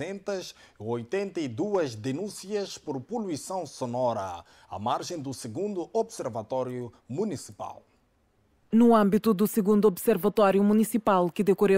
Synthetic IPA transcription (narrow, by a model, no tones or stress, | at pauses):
ẽnt̪ɐzojt̪ẽnt̪ɐid̪uɐʒd̪enũsiɐʃpoɾpulwisɐ̃w̃sonɔɾɐ̰ | ɐ̰maɾʒẽj̃d̪usɨɡũnd̪uobseɾvɐt̪ɔɾju | munisi̥pa̰lˠ | nuɐ̃mbit̪ud̪usɨɣũnd̪uɔbseɾvɐt̪ɔɾjumunisipalˠkɨd̪ɨkoɾe